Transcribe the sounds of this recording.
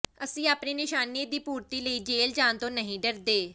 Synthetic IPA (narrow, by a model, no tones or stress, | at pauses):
əsĩːaːpniːnɪʃaːnied̪iːpuːɾt̪iːləiːd͡ʒeːld͡ʒaːnt̪õːnəɦĩːɖəɾd̪eː